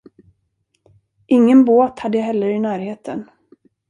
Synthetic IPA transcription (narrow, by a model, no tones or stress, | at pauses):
ʔɪŋːənboːt̪had̪ːəjaɦɛlːəɾɪnæːɾheːt̪ʰən